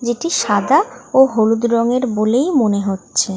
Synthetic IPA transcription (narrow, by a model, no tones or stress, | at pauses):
d͡ʑeʈiʃad̪aoɦolud̪ɾɔŋeɾbolejmoneɦotːɕʰe